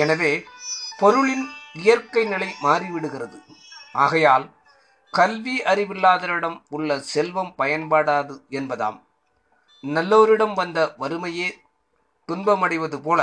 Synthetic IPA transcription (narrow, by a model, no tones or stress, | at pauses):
ɛnɐʋeːpɔɾɯɭɪnɪjɐɾkɐɪnɪlɐɪmaːriʋɪɽɯɣɪrɐðɯʔaːɣɐjaːl | kɐlʋiɐɾɪʋɪlːaːðɐɾɪɽɐmʊɭːɐsɛlʋɐmpɐjɐnpaːɽaːðɯɛnbɐða̰ːm | nɐlːoːɾɪɽɐmʋɐnd̪ɐʋɐɾɯmɐjeː | t̪ʊnbɐmɐɽɪʋɐðɯpoːlɐ